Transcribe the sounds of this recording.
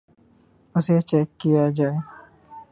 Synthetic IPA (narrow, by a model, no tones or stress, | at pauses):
əset͡ʃɛkːijad͡ʒae